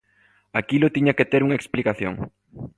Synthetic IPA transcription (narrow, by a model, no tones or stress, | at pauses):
akilʊt̪iɲaket̪eɾuŋɐeksplikaθjo̰ŋ